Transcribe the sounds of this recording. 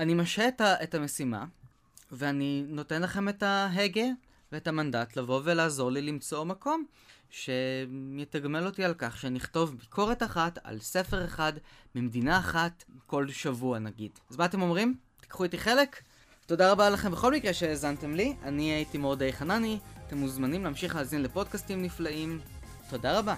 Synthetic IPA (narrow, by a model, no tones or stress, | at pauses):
animaʃeːtaʔetame̞sima̰ | ve̞anino̞te̞nlaχe̞me̞taɦe̞ɡe | veetamandatlavo̞velaːzo̞ʁlilimt͡so̞mako̞m | ʃe̞jetaɡme̞lo̞tialkaχʃeaniiχto̞vbikʰo̞ʁe̞taχata̰lse̞fe̞ʁ̞eχadmimedinaːχatko̞lʃavuanaɡid̥zmaat̪̬e̞mo̞mʁimt̪i̥kχuitiχe̞lek | to̞daʁabalaχe̞mbe̞χo̞lmikʁe̞ʃe̞ːzante̞mliʔaniaitimodejχananiate̞muzmanimleamʃiχleaːzinlepo̞d̚kastimniflaʔim | to̞daʁaba